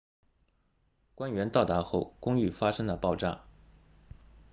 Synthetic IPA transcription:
kwa˥nɥɛ˧˥nt̪ɑ˥˩ʊt̪a˧˥xo˥˩ʊkʊ˥ŋy˥˩fa˥ʂɤ˥ŋd̪ə˨pɑ˥˧ʊʈ͡ʂa̰˥˩

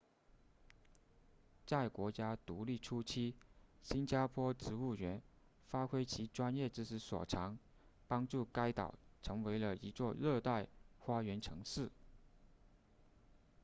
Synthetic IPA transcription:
t͡sa˥˩ɪkwɔ˧˥t͡ɕja˥t̪u˧˥li˥˩ʈ͡ʂʰu˥t͡ɕʰi˥ɕi˥nt͡ɕja˥pʰwɔ˥ʈ͡ʂɻ̩˧˥u˥˩ɥɛ˧˥n | fa˥kʰwe˥ɪt͡ɕʰi˧˥ʈ͡ʂwa˥njɛ˥˩ʈ͡ʂɻ̩˥ʂɻ̩˧˥swɔ̰˨˩ʈ͡ʂʰɑ˧˥ŋ | pɑ˥ŋʈ͡ʂu˥˩ka˥ɪt̪ɑ̰˨˩ʊʈ͡ʂʰɤ˧˥ŋwe˧˥ɪlə˧i˧˥t͡swɔ˥˧ɻɤ˥˧t̪a˥˩ɪxwa˥ɥɛ˧˥nʈ͡ʂʰɤ˧˥ŋʂɻ̩˥˩

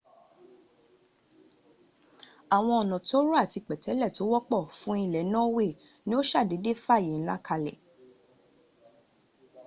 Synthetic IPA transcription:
a˨w̃ɔ̃˧ɔ˨nã˨ti˦o˦ɾu˦a˦˨ti˧k͡pɛ˨tɛ˨˦lɛ˦˨to˨˦wɔ˦k͡pɔ˦˨fũ˨˦i˦˧˨lɛ˨˦nã˦we˦˨ | nĩ˦o˦ʃa˦˨de˨˦de˦fa˦˨i˨˦n̩˦la˦kʰa˧lɛ̰˨

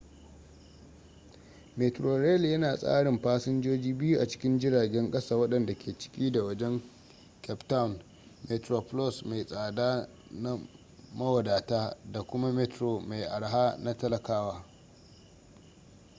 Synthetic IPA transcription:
meː˨tɾo˨ɾɛ˦˨ljɐ˦naː˨sʼa̰ː˦ɽɪ˨mɸaː˦sɪ˦nd͡ʒoː˦d͡ʒiː˦bɪ˦ju˦ʔa˨t͡ʃɪ̥˦kʲɪ˦nd͡ʒɪ˦ɽaː˨ɡʲɛ˦ŋkʼɐ˦saː˦˨wɐ˦ɗɐ˨nda˨kʲʰeː˨t͡ʃɪ̥˦kʲiː˦da˨wɐ˦d͡ʒɛ˦ŋ | kʲɛ˦pta˦wn | me˨tɾo˨plɔ˦sma˨jsʼaː˨daː˦ | na˦ | mɐ˦wɐ˨daː˨taː˦da˨kʷʊ˦ma˦me˦tɾo˨ma˨jʔa˨ɽɦaː˦na˦tɐ˦lɐ˨kaː˦waː˦

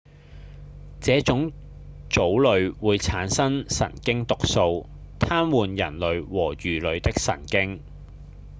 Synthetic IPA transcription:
t͡sɛː˨˥t͡sʊ˨˥ŋt͡so˨˥wlɵ˨˧ɥwuː˨˧jt͡sʰaː˨˥nsɐ˥ŋsɐ̰˨˩nkɪ˥ŋt̪ʊ˨k̚so˧w | t̪ʰaː˥mwuː˨njɐ˨˩nlɵ˨˧ɥwɔː˨˩jyː˨˩lɵ˨˧ɥt̪ɪ˥k̚sɐ̰˨˩ŋkɪ˥ŋ

